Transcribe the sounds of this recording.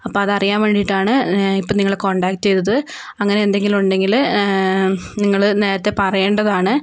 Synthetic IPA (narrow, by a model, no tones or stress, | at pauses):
ɐpːoːɐðɨɐrijaːmʋe̞ːɳɖiʈːaːɳɨipːoniŋːɐɭeko̞ːɳɖaːk̚ʈɨt͡ɕejt̪ɐðɨ | ɐŋːɐneend̪e̞ŋɡiluɳɖe̞ŋɡil | niŋːɐɭɨne̞ːɾɐt̪ːe̞pɐrɐjeːɳɖɐðaːɳɨ